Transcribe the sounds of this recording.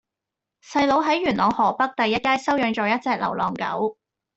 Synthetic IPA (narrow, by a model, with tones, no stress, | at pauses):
sɐ˧jlo˨˧wɦɐ˨˥jɥyː˨˩nʔɔː˨˧ŋhɔː˨˩pɐ˥k̚t̪ɐ˨˧jːɐ˥t̚kaː˥jsɐ˥wjœː˨˧ŋt͡ʃɔː˨˧jɐ˥t̚t͡sɛː˨˧k̚lɐ̰˨˩wlɔː˨˩ŋkɐ̰˨˥w